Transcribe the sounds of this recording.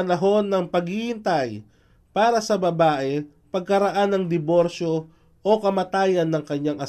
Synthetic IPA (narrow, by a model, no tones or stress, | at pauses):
ɐnɐɦo̞nːɐŋpɐɡhihɪnt̪ɐj | paːɾɐsɐbɐbaːʔɛ | pɐɡ̚kɐɾɐʔanːɐŋd̪ɪbo̞ɾʃo̞ | ʔokɐmɐt̪aːjɐnːɐŋkɐɲːaŋʔɐ